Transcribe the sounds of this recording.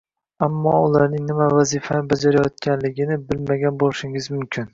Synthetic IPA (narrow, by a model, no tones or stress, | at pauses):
amːɒʊlaɾnɪŋnɪmavazifanɪbad͡ʒaɾajɒt̪̚kʲanlɪɡʲɪnɪbɪlmaɡʲanbolˠɪʃɪŋɪzmʊmkʲʰɪn